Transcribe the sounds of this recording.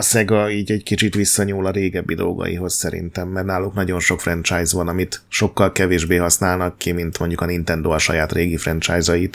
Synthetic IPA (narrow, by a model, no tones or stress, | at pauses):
ɒsɛɡɒiːɟɛɟkit͡ʃit̪ʋisːɒɲuːlɒɾeːɡɛbːid̪o̞lɡɒ̰jḭɦo̞ssɛɾḭnt̪ɛmːɛrnaːluknɒɟo̞nʃo̞kfrɛnt͡ʃaːjzʋɒnɒmit̪ʃo̞kːɒlkɛveːʒbeːɦɒsnaːlnɒkːimint̪mo̞ɲɟukɒnint̪ɛnd̪oɒʃɒ̰jaːt̪reːɡifrɛnt͡ʃaːjzɒjit̪